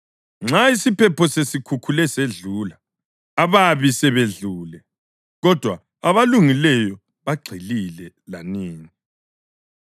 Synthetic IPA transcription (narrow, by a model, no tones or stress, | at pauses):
ŋ͡ǁaisipʰɛpʰɔsesikʰukʰulɛseɮuːlaː | βaβisɛβeɮuːlɛ | ɣɔd̥ʱwa | aβaluŋilɛjɔ | βaɡ͡ǀʱililɛ | laniːŋi